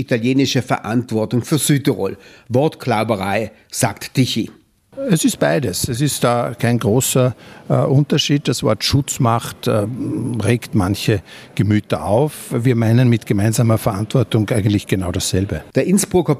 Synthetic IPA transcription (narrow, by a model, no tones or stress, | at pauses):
italjeːnɪʃəfɛɐʔantv̥ɔɐtʊŋfyːɐzyːtəʁo̰lvɔɐtkʰlaʊbəʁaɪ | z̥a̰ːktd̥ɪçi | ɛsɪst̚b̥aɪdəsɛsɪstd̥aːkʰaɪnɡʁoːsɐʔʊntɐʃiːd̚d̥asv̥ɔ̰ɐtʃʊt͡smaχtː | ʁeːktmançəɡ̥əmyːtɐʔaʊfviːɐmaɪnənmɪtɡ̥əmaɪnzaːmɐfɛɐantv̥ɔɐtʊŋʔæɪɡəntlɪçɡ̥ənaʊɾasz̥ɛlbəd̥ɛɐʔɪnsb̥ʁʊkə